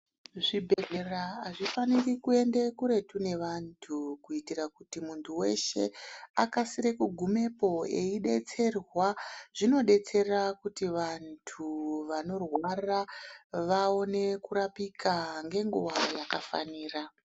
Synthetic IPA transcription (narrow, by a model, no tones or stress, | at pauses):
ʐibʱeɮeraːʐifanirikue̞nde̞kuɾe̞tune̞ʋantʰukuitiɾakutimuntʰuwe̞̰ʃe̞̰a̰kasiɾekuɡʱume̞po̞e̞iɗe̞t͡se̞rwaʐ̥ino̞ɗe̞t͡se̞rakutiʋantʰuʋano̞rwaraʋao̞ne̞kuɾapikʰaŋɡe̞ŋɡuʋajakafa̰niːra